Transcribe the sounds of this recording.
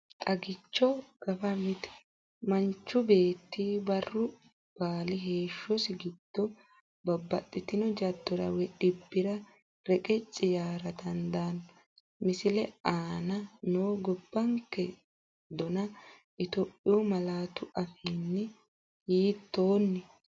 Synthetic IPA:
t̪ʼɐɡɪt͡ʃːɔɡ̥ɐfɐmɪt̪ | mɐnt͡ʃːʊbe̞ːt̪ːiːbɐrːʊ | b̥aːlɪɦe̞ːʃːɔsɪɡɪd̪̥ːɔ | bɐbːɐt̪ʼːɪt̪ɪnɔd͡ʒɐd̪ːɔɾɐ̰wɛᶑɪbːɪɾɐ | ɾɛkʼɛt͡ʃʼːɪjaːɾɐt̪ɐnd̪aːn | mɪsɪlɛaːnɐnoːɡɔbːɐŋkːɛ | d̪ɔnɐ | ʔɪt̪opʼːɪjʊmɐlaːt̪ʊʔɐfinːɪ | hiːt̪ːo̞ːnːɪ

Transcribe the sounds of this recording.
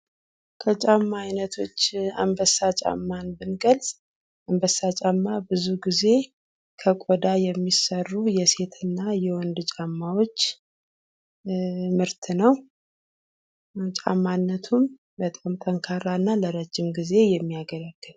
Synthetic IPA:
kʰət͡ʃʼamːaːjnət̪ʰo̞t͡ʃːa̰mbəsat͡ʃʼa̰mːanbɨnɡəlz | ʔambəsːat͡ʃʼamːabɨzuɡize̞ | kʰəkʼod̪ajɛmːisərːujɛse̞t̪ʰɨnːajɛwɔnd̪t͡ʃʼamːawo̞t͡ʃː | mɨɾt̪ʰɨnəw | t͡ʃʼa̰mːanːət̪ʰum | bət̪ʼamt̪ʼʰəŋkʰaɾanːaləɾəd͡ʒːɪmɡize̞jɛmːijaɡəɾaɡ̥ːɨl

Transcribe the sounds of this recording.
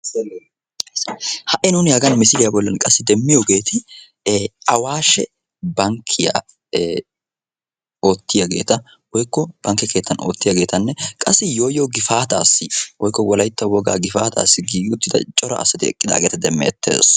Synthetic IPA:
hɐʔɪnʊnɪjaːɡɐnmɪsɪlɪjabɔlːɐnkʼɐsːɪd̪ɛmːɪjoɡe̞ːt̪ʰɪ | ɐwaːʃɛ | bɐŋkʰːɪja̰ | o̞ːt̪ːɪjɐɡe̞̰ːt̪ɐ | wɔjkːɔb̥ɐŋkːɛke̞ːt̪ːɐno̰ːt̪ːɪjɐɡe̞ːt̪ɐnːɛkʼɐsːɪjo̞ːjoːɡɪfaːt̪a̰ːsːɪwɔjkːɔwɔlɐjt̪ːɐwɔɡa̰ːɡɪfaːt̪ʰa̰ːsːɪɡiːɡʊt̪ːɪd̪ɐ̰t͡ʃʼɔɾɐ̰ːsːɐt̪ɪɛ̰kʼːɪd̪a̰ːɡeːt̪ɐd̪ɛmːḛːt̪ːe̞̰ːs

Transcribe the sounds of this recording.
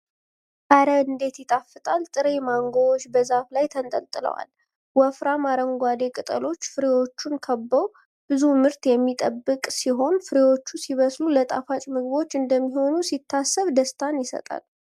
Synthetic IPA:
kaɾəɨnd̪e̞t̪jɪt̪ʼafːɨt̪ʼalt̪ʼɨɾe̞maŋɡoot͡ʃːbəzaflajt̪ʰənt̪ʼə̰lt̪ʼɨlə̰wa̰l | wɔfɾamaɾəŋɡʷad̪e̞kʼɨt̪ʼə̰lo̞t͡ʃːfɨɾewo̞t͡ʃːunkʰəbːəw | b̥ɨzumɨɾt̪jɛmːit̪ʼəbːɨkʼsiɦo̞nfɨɾewo̞t͡ʃːusiβəslulət̪ʼafat͡ʃʼmɨɡɨβo̞t͡ʃːɨnd̪əmːiɦo̞nusit̪ʰːasːəβd̪əst̪ʰanjɪsə̰t̪ʼa̰l

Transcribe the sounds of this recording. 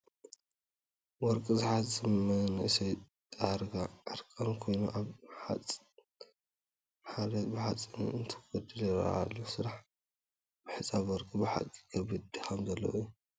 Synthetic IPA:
wɔɾkʼizɨħatt͡sʼːɨmːɐnɨʔsɐj | t̪ʼaɾɡaʕɨɾkʼɐmkʰo̞jnuʔaβħa̰t͡sʼ | ħalɐt̪bɨħat͡sʼːinɨnt̪ʰɨ̥ɡɐd̪ɨlɛɾa̰lːosɨɾaħ | bɨħɨsʼaβwɔɾkʼibɨħa̰kʼi̥kʰɐβɨd̪ɨxʰɐmzɐlːɐ̰wju

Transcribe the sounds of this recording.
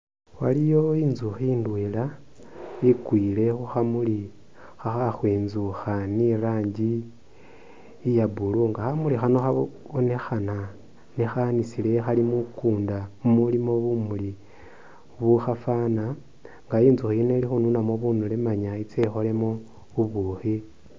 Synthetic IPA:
walijo̞iːnzuxiːndwela | ikwiːle̞xuxamuli | xaxaxweːnzuxaniraːɲɟi | jabuluŋɡaxamulixano̞xa | βone̞xana | nixanisile̞xalimukuːndamumulimo̞βumuli | βuxafana | ŋɡajiːnzuxiinelixununamoβunulemaɲait͡sexo̞le̞mo | βuβuxi

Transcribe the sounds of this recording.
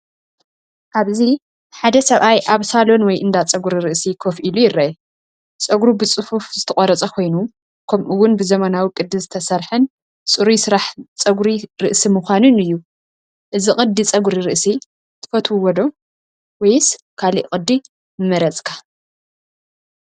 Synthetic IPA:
ʔaβzi | ħad̪ɐsɐβʔajʔaβsalo̞nwɔjʔɨnd̪at͡sʼɐɡuɾiɾɨʔsikʰo̞fʔilujɪrːɐʔɛ | t͡sʼɐɡɾubɨt͡sʼɨfufzɨt̪ʰɐχʼoɾɐt͡sʼɐkʰo̞jnu | kʰɐmʔɨwːʊnbɨzɐmɐnawikʼɨd̪ɨzɨt̪ʰɐsɐɾħɨn | t͡sʼɨɾusɨɾaħt͡sʼɐɡɾiɾɨʔsimuxʷanɨnɨjːu | ʔɨziqʼɨd̪ːit͡sʼɐɡuɾiɾɨʔsi | t̪ʰɨ̥fɐt̪ʰwuwɔd̪o̞ | wɔjs | kʰalḭʔqʼɨd̪ːi | mɐɾɐt͡sʼkʰḁ

